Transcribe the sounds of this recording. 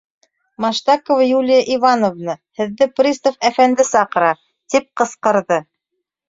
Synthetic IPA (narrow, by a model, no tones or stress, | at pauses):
mɑʃt̪ɑkovjulʲɪjəʔivɑnovnɤhɘ̆ðːɘprʲist̪ofæfænd̪ɘsɑqɤ̆ɾɑ | t̪ip̚qɤ̆sqɤ̆ɾðɤ